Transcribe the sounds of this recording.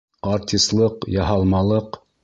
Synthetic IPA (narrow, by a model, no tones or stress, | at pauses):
ɑɾt̪ʲist̪lˠɤqjɑɦɑlˠmɑlˠɤq